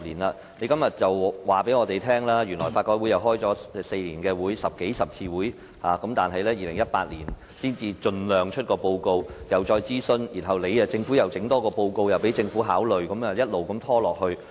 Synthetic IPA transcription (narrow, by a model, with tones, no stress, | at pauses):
liː˨˩nlaː˨˧ | ne˨˧jkɐ˥mjɐ˨t̚t͡sɐ˨wwaː˨˩pe˨˥jŋɔː˨˧t̪e˨jt̪ʰɛː˥ŋlaː˥jyː˨˩nlɔː˨˩jfaː˧t̚kɔː˧˥wu˨˥jɐ˨˩wɦɔː˥jt͡sɔː˨˥ɛ˧se˧jliː˨˩nkɛː˧wuː˨˥jsɐ˨p̚ke˨˥jsɐ˨p̚t͡sʰiː˧wuː˨˥j | haː˨˩kɐ˨˥mt̪aː˨nɦɐ˨jlɛː˥jiː˨lɪ˨˩ŋjɐ˥t̚paː˧t̚liː˨˩n | siː˥nt͡siː˧t͡ʃɵ˧nlœː˨ŋt͡ʃʰt̚kɔː˧po˧wko˧wjɐ˨˩wt͡ʃɔː˧jt͡siː˥sɵ˧njiː˨˩nɦɐ˨wle˨˧jɐ˧t͡sɪ˧ŋfuː˨˥jɐ˨wt͡sɪ˨˥ŋt̪ɔː˥kɔː˧po˧wko˧wjɐ˨˩wpe˨˥jt͡sɪ˧ŋfuː˨˥ɦaː˨˥wlɵ˨ɥkɐ˨˦mɐ˨jɐ˥t̚lo˨wkɐ˨˧mt̪ʰɔː˥lɔː˨k̚hɵ˧ɥ